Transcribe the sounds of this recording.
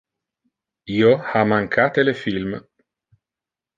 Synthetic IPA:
ioamaŋkʰat̪elefilm

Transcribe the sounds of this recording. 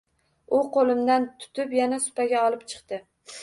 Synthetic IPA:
ʊqʰolˠɪmd̪ant̪ʰʊ̥t̪ɪpjanasʊ̥paɡʲaɒlˠɪp̚t͡ʃʰɨ̥qt̪ɪ

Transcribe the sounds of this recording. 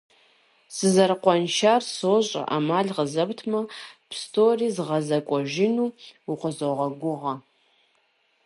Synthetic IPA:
sɨzɐrqʷɔnʃaːrsoːɕʼɐ̰ʔa̰maːɮʁəzɐbtʰmɐpʰstʰoːriːzɨʁɐzɐkʷʼɔʒɪnuːʊqʷəzoʁɐɡʷʊʁɐ

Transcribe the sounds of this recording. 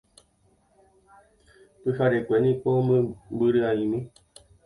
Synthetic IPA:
pɨhaɾekʷe̞nĩkombɨɾɨaĩmĩ

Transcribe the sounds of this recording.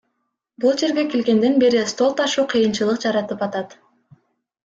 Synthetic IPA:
bulˠd͡ʒe̞ɾɡe̞kelɡe̞nd̪e̞nbe̞ɾist̪o̞lˠt̪ɑʃuːqʰɯjɯnt͡ʃɯlˠɯqd͡ʒɑɾɑt̪ɯpɑt̪ɑt̪

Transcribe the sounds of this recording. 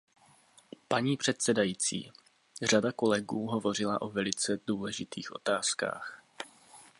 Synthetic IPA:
paɲiːpr̥ɛt̪sɛdajit͡sḭː | r̝adako̞lɛɡuːɦo̞vo̞r̝ɪlaʔo̞vɛlɪt͡sɛduːlɛʒɪt̪iːxʔo̞̰t̪aːska̰ːx

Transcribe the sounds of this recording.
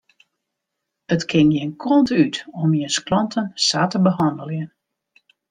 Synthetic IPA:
ətkʰɪŋjɪnkʰɔntytɔmjənsklɔntʰənsaːtəbəɦɑndəlˠjən

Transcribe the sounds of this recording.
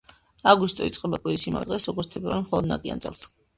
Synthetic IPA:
aɡust̪ʼɔit̪sʼqʼɛbakʼwiɾisima̰vɛd̪ʁɛsɾɔɡɔɾt͡ʃ̪t̪ʰɛpʰʼɾaɾɛmχɔlˠɔd̪nakʼia̰nʼɛ̰lˠs

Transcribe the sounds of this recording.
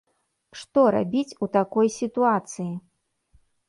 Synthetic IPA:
ʂt̪ɔɾa̰bʲit͡sʲut̪akɔjsʲit̪uat̪sɨji

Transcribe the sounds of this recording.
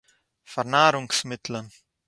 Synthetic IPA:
faɾnaːɾuŋksmɪt̪lan

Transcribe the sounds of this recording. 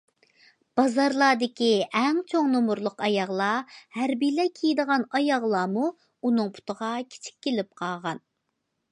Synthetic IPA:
b̥ɑzɑɾlˠɑːd̪ɪkʲiɛŋt͡ʃʰoŋnomuɾlˠəqɑjɑʁlˠɑhæɾbijlɛkʲʰijd̪əʁɑnɑjɑʁlˠɑːmu | unɨŋpʰu̥t̪əʁɑkʲʰe̥t͡ʃʰi̥k̚ʲːelɪp̚qʰɑʁɑn

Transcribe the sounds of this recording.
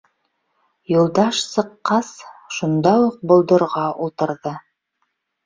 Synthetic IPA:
jŭlˠd̪ɑʃsɤ̆qːɑsʃund̪ɑwuq̚bŏlˠd̪ɤ̆ɾʁɑulˠt̪ɤ̆ɾðɤ

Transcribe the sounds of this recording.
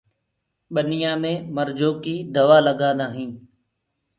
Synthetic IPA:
ɓənɪjãːmẽːməɾd͡ʒoːkiːd̪əʋaːləɡãːd̪ãːɦĩː

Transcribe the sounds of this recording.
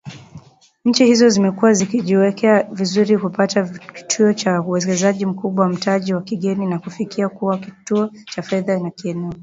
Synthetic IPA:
ɲ̩t͡ʃihizɔzimɛkuwazikiʄiwɛkʰɛavizuɾikupataki̥tʰuɔt͡ʃauɛkɛzaʄim̩kuɓwawam̩taʄiwakiɠɛninakufikiakuwakituɔ | t͡ʃafɛðanakiɛnɛɔ

